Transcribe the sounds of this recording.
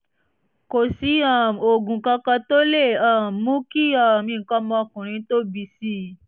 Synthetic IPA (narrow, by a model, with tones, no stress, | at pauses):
ko˨si˨˦ã˨o˨ɡũ˨kɔ̃˧kɔ̃˧t̪o˦le˦˨ã˨mũ˦ki˦ɔ˨mĩ˧˨ŋ̩˨kɔ˦mɔ̃˧ɔ˧kũ˨ɾ̃ĩ˨˦t̪o˦bi˧si˦